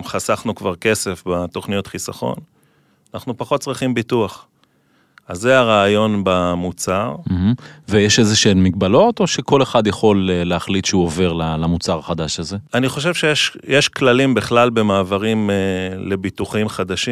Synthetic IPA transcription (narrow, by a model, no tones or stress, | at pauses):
mχasaχnukvaʁke̞se̞fbat̪o̞χnijo̞tχisaχo̞̰n | anaχnupaχo̞t̚t͡sʁiχimbituaχ | azːeaʁaːjo̞nbamut͡saʁm̩hm̩vejeʃezeʃenmiɡ̚balo̞t̪o̞ʃeko̞le̞χad̪jaχo̞leːeaχlit̪ʃeuove̞ʁlalamut͡saʁaχad̪aʃaze̞aniχo̞ʃ̬e̞vʃejeʃjeʃklalimbiχlalbe̞maːvaʁimele̞bituχimχad̪aʃi